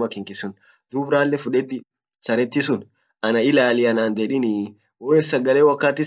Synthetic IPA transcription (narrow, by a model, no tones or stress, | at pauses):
mɐkɪŋkɪsʊn | d̪̥ubɾaːlːɛfʊᶑɛᶑɪ | sɐɾɛt̪ːɪsʊn | ɐnɐɪlaːlɪɐnaːnd̪eᶑɪnɪ | woːɛsːɐɡɐleːwɐkːaːt̪ːɪ